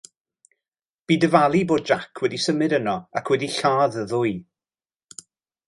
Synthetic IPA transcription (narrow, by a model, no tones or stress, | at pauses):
b̥iːdəvalˠiboːd̚d͡ʒakʰwɛdisəmɨdənɔakʰwɛdiɬaːðəðʊɨ